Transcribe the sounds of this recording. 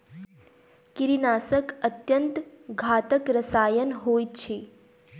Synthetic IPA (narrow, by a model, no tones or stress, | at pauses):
kiɾinaːsəkət̪jənt̪ɡʱaːt̪əkɾəsaːjənɦoːjt͡ʃʰe